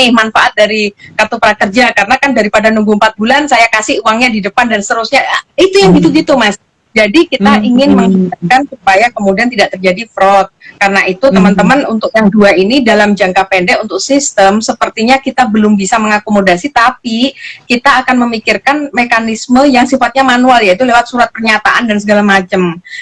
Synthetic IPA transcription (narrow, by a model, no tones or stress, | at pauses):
ɪhmanfaʔat̪̚daɾikat̪opɾakərd͡ʒakaɾənakandaɾipadanuŋɡuəmpat̪̚bulansajakasɪhuwaŋɲadidəpandanst̪əɾusɲait̪ujaŋbit̪uɡit̪umas | d͡ʒadikit̪aiŋɪnməŋikarkansup̚ajakəmudiant̪idaʔ̚t̪ərd͡ʒadifɾɔt̪̚kaɾənaʔit̪ut̪əmənt̪əmanunt̪ʊk̚jaŋduainidalamd͡ʒaŋkapɛndɛkunt̪ʊk̚sist̪əmsəpərt̪iɲakit̪abəlʊmbisaməŋakomodasit̪apikit̪aːkanməmikɪrkanmekanisməjaŋsifat̪̚ɲamanualjait̪ulewat̪̚suɾat̪̚pərɲat̪aʔandansəɡalamat͡ʃəm